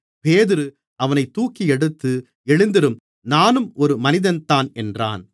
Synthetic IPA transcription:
peːðɪɾɯ | ɐʋɐnɐɪt̪ːuːkːiɛɽɯt̪ːɯ | ɛɻɯnd̪ɪɾɯm | naːnɯmɔɾɯmɐnɪðɐnt̪aːnɛndra̰ːn

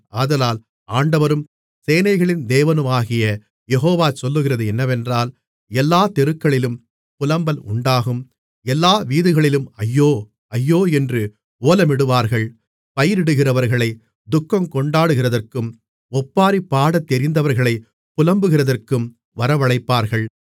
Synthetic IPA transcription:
ʔaːðɐlaːl | aːɳɖɐʋɐɾɯm | seːnɐɪɣɐɭɪnd̪eːʋɐnɯmaːɣɪjɐ | jɛɦoːʋaːsɔlːɯɣɪrɐðɯɛnːɐʋɛndraːl | ɛlːaːt̪ɛɾɯkːɐɭɪlɯm | pʊlɐmbɐlʊ̰ɳɖaːɣɯm | ɛlːaːʋiːðɯɣɐɭɪlɯmɐjːoː | ɐjːoːɛndrɯ | oːlɐmɪɽɯʋaːɾɣɐɭ | pɐjɪɾɪɽɯɣɪrɐʋɐɾɣɐɭɐɪ | d̪ʊkːɐmkɔɳɖaːɽɯɣɪrɐðɐrkɯm | ɔpːaːɾipːaːɽɐt̪ːɛɾɪnd̪ɐʋɐɾɣɐɭɐɪ | pʊlɐmbɯɣɪrɐðɐrkɯm | ʋɐɾɐʋɐɭɐɪpːaːɾɣɐɭ

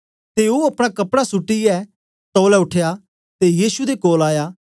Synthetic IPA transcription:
t̪eoɐpɽ̃akɐpɽasʊʈːiɛː | sɔːlɛʊʈʰeja | t̪ejiːsud̪ekoːlaːjaː

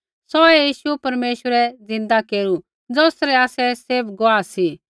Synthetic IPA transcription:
sɔɛjiːʃupɐɾmeːʃwəɾɛd͡zɪ̃nd̪akeːɾu | d͡zɔːsɾɛaːsɛseːbɡʊaːsi

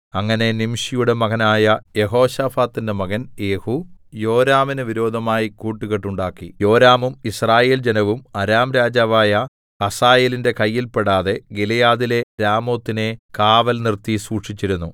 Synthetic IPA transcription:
ɐŋːɐne̞nimʂijuɽe̞mɐɣɐnaːjɐje̞ɦo̞ːɕafaːt̪ːinde̞mɐɣɐne̞ːhujo̞ːɾaːminɨʋiɾo̞ːd̪ʱɐmaːjikuːʈːuɣeʈːuɳɖaːkːḭjo̞ːɾaːmumisraːje̞ːld͡ʑenɐʋumɐɾaːmɾaːd͡ʑaːʋaːjɐ | kɐsaːjeːlinde̞kɐjːilpe̞ɽaːðe̞ɡilɐjaːðile̞ɾaːmo̞ːt̪ːine̞kaːʋɐlnirt̪isuːʂit͡ɕːiɾunːu

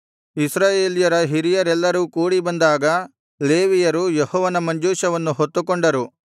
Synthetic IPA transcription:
isɾaːjeːlijɐɾɐɦiɾijɐɾɛlːɐɾuːkuːɽibɐnd̪aːɡɐ | le̞ːʋijɐɾujehɔːʋɐnɐmɐɲd͡ʒuːʃɐʋɐnːuɦot̪ːukoɳɖɐɾu

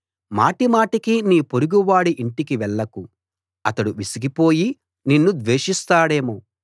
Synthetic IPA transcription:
ma̰ːʈimaːʈikiniːpoɾuɡuʋaːɽiʔiɳʈikiʋɛɭːɐku | ɐt̪ɐɽuʋisiɡipo̞ːji | ninːud̪ʋeːʂist̪aːɽe̞ːmu

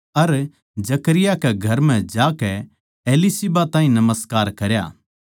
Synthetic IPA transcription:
ɐɾ | d͡ʒɐkəɾɪjakɛɡʱɐɾm̤ɛ̃d͡ʒaːkɛ | eːlisibat̪ãːɦĩnɐməskaːɾkɐɾja̰ː

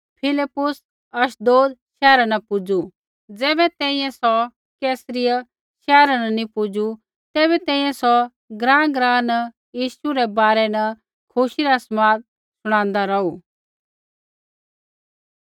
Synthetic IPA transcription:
pʰɪlɪpːʊs | ɐʃd̪oːd̪ʃɛːɾanɐpʊd͡zu | d͡zɛːbɛt̪ɛ̃ːĩjɛ̃sɔ | kɛːsɾɪjə | ʃɛːɾanɐnipʊd͡zu | t̪ɛːβɛt̪ɛ̃ːĩjɛ̃sɔ | ɡɾãːɡɾãːnɐ | jiːʃuɾɛbaːɾɛnɐ | kʰʊʃiɾasmaːt̪̚ | sʊɽ̃ãːnd̪aɾɐu

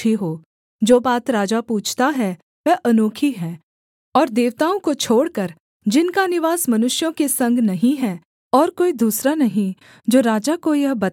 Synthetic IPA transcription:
iɦoː | d͡ʒoːbaːt̪ɾaːd͡ʒapuːt͡ʃʰt̪aɦɛ | ʋɛːʔɐnoːkʰiɦɛ̃ː | ɔːɾd̪eːʋt̪aːõkot͡ʃʰoːɽkɐɾ | d͡ʒɪnkanɪʋaːsmɐnʊʃjõkesɐ̃ŋɡʱnɐɦĩɦɛː | ɔːɾkoːid̪uːsɾanɐɦĩ | d͡ʒoːɾaːd͡ʒakojɐɦbɐ

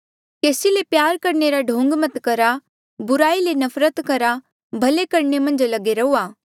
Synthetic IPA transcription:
keːsilepjaːɾkɐɾneɾaɖʱõːŋɡmɐt̪kɐɾa | bʊɾaːilenɐfʰɾət̪kɐɾa | bʱɐlekɐɾɳemɐ̃nd͡ʒlɐɡeɾɐuːaː

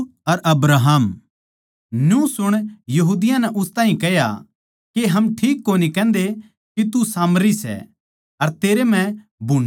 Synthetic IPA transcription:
ɐɾʔɐbɾaːɦaːm | njũsʊɽ̃jɐɦuːd̪ɪjãnɛʔʊst̪ãːɦĩkɛja̰ | keɦɐmʈʰiːkːonikɛ̃ːnd̪e | kit̪usaːmɾisɛ̰ | ɐɾt̪eːɾem̤ɛ̃ | bʱun

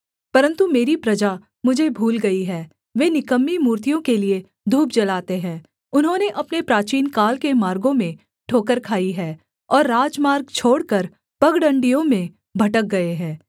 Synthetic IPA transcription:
pɐɾə̃nt̪umeːɾipɾɐd͡ʒa | mʊd͡ʒʱebʱuːlɡɐiɦɛː | ʋeːnɪkəmːimuːɾt̪ijõkelie | d̪ʱuːp̚d͡ʒɐlaːt̪eɦɛ̃ː | ʊnɦõneʔɐpnepɾaːt͡ʃiːnkaːlkemaːɾɡõmẽ | ʈʰoːkəɾkʰaːiɦɛː | ɔːɾːaːd͡ʒmaːɾɡt͡ʃʰoːɽkɐɾ | pɐɡɽə̃ɳɖijõmẽ | bʱɐʈək̚ɡɐeɦɛ̃ː

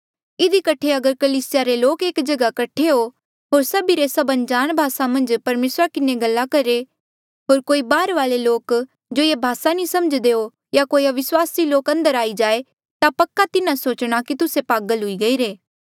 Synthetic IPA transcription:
ɪd̪ikɐʈʰːeɐɡəɾkɐliːsɪjaɾeloːkeːkd͡ʒɐɡakɐʈʰeɦo | ɦoːɾsɐbiɾesɐbɐ̃nd͡ʒaːñbʱaːsamɐ̃nd͡ʒpɐɾmeːsɾakɪneɡɐlːakɐɾe | ɦoːɾkoːibaːɾʋaːleloːk | d͡ʒoːebʱaːsanĩsɐməd͡ʒd̪eɦo | jakoːiaʋɪswaːsiloːkɐ̃nd̪əɾaːid͡ʒaːe | t̪apɐkːat̪ɪnãsoːt͡ʃɽ̃akit̪ʊsepaːɡəlɦʊiɡɐiːɾeː

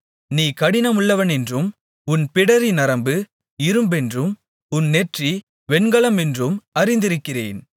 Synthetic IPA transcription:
niːkɐɽɪnɐmʊɭːɐʋɐnɛndrɯm | ʊnpɪɽɐɾinɐɾɐmbɯ | ɪɾɯmbɛndrɯm | ʊnːɛʈri | ʋɛnɡɐɭɐmɛndrɯmɐɾɪnd̪ɪɾɯkːɪrḛːn

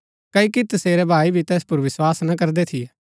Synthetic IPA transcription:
kɐikit̪ɐseːɾɛbʱaːibʱit̪ɛːspʊɾʋɪswaːsnɐkɐɾd̪et̪ʰɪɛː

